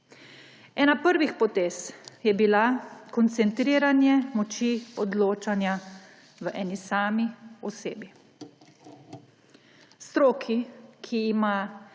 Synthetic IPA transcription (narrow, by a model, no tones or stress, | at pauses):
ɛːnapəɾʋixpɔt̪eːsjɛbilakɔnt̪sɛnt̪ɾiːɾanjɛmɔt͡ʃiɔd̪loːt͡ʃanja | ʋəʔɛːnisaːmiɔseːbi | st̪ɾoːkʰikʰiːma